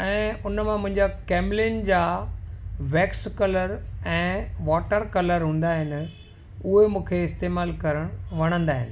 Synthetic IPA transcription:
ɛ̃ːʊnmãmʊ̃ɦɪ̃ɲd͡ʑakeːmlɪːnd͡ʑaː | ʋɛːkskɐləɾɛ̃ːʋaːʈəɾkɐləɾɦũːn̆d̪aːɦɪnɪ̆ | ʊɦemũːkʰeɪst̪eːmaːlkɐɾəɽ̃ʋɐɽ̃ə̃nd̪aːɦɪ̰nɪ̆

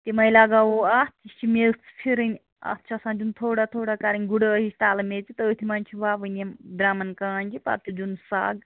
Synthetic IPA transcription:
t̪imɐjlaɡawoat̪it͡ʃʰimet͡sʰpʰiɾɐnʲ | ɐ̰t̪ːt͡ʃʰasãːd͡ʒunt̪ʰoːɽat̪ʰoːɽakaːɾinʲɡuɽəɦist̪aːlɐmet͡ʃit̪ɐət̪ʰimɐnʲt͡ʃʰiʋaːbɨnemd̪ɾaːmɐnkaːnʲt͡ʃʰipɐ̰t̪ud͡ʒunsa̰ːɡ

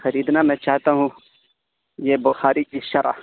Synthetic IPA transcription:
xɐɾiːd̪namɛ̃ːt͡ʃaːɦt̪aɦũ | jebʊxaːɾikiʃɐɾʔa̰

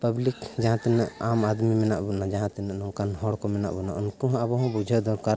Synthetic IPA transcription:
pəblikd͡ʒɐɦãt̪ɛnɛʔamad̪mimɛnaʔbunad͡ʒaɦãt̪ɛnənɔ̃kanɦɔɽkomɛna̰ʔbunaunkoɦɐbɔɦɔ̃bud͡ʒʱəd̪ɔɾkaɾ

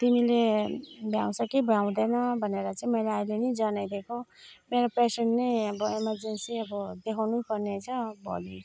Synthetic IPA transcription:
t̪imilebʱjaw̃sʌkibʱjãw̃d̪ʌnʌbʱʌneɾʌt͡saĩmʌjlaailenid͡zʌnajd̪ʱekʰomeɾopresenːʌjʌbʌemʌrd͡zensiʌbʌd̪ekʰawnukʌrnet͡sʰʌbʱo̰li

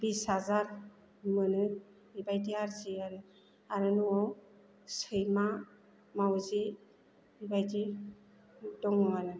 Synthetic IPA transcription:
bishazaɾ | mɯnɯ | ibajtiaɾziaɾɯ | aɾɯnuaw | sɯjma | mawzi | ibajdi | dɔŋɔanɯ

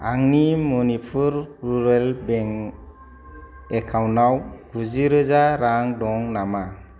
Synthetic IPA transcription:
aŋnimonifuɾɾuɾelbɛŋ | ekʰawnawɡ̥uziɾəzaɾaŋdɔŋnama

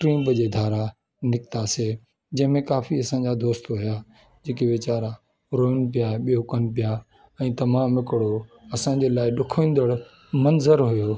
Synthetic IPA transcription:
ʈɾĩːmpəd͡ʑeːd̪ʱaːɾa | nɪkt̪ase | d͡ʑɐ̃ɦɪ̃mẽkaːfiɐsãɲ̆d͡ʑad̪oːst̪ɦʊja | d͡ʑeːkeʋɪt͡ɕaːɾa | ɾoːənɪ̆p̬ijaɓijokənɪ̆p̬ija | ɛ̃ːt̪ɐmaːmɪkɪɽoɐsãːɲ̆d͡ʑeːlaːɪɗʊkʰĩːnd̪əɽ | mɐnzəɾɦʊjoː

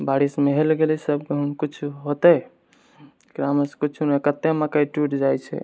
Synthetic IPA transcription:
baɾismeɦelɡelisəbkeɦunkut͡ʃʰɦot̪ɛ | ɡɾaməskut͡ʃʰunekət̪ːemakajʈuʈd͡ʒajt͡ʃʰɛ̰

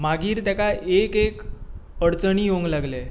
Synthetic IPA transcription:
maɡiːɾt̪jakaʔekek | əɽt͡səɳijoŋɡlaɡle

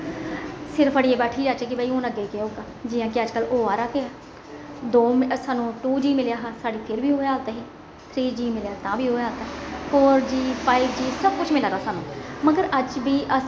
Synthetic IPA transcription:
sɪɾfəɽieːbɛːʈʰiːd͡ʒaːt͡ʃak̬ibəiõːləɡekeoːɡaːd͡ʒijãːkiəd͡ʒkəloːaːɾaːkeaː | d̪oːmsaːnũːʈuːd͡ʒiːmɪljaːɦasaːɽiːpʰɪɾbʱiːɦoːaːlt̪aɦɛ̃ː | t̪ʰɾiːd͡ʒiːmɪljaːt̪ãːbʱiːɦoːaːt̪aːɦɛɔːɾd͡ʒiːpaːɪp̚d͡ʒiːsəb̚kʊt͡ʃʰmɪlaːɾaːsaːnũːməɡəɾəd͡ʒbʱiːʔə

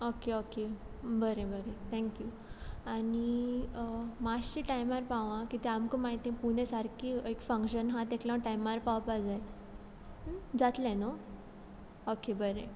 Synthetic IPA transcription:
okeokebəɾebəɾet̪ʰɛ̃ŋkju | añi | maɕiʈajmaɾpaʋãkit̪eamkə̃maɦit̪ẽpuñesaɾkiəjkfə̃ŋkɕənɦãt̪ekljãʈajmaɾpaʋpad͡zaj | d͡zat̪lẽno | okebəɾe

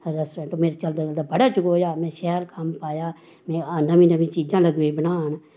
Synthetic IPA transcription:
ɾɛsʈɾẽːɳʈoːmeːɾt͡ʃəld̪aːəld̪aːbəɽaːt͡ʃʊkoːjaːmɛ̃ːʃɛːəɾkəmpaːjaː | mɛ̃ːaːnaːmĩːnaʋĩːt͡ʃiːd͡ʒãːləɡeːbənaːən

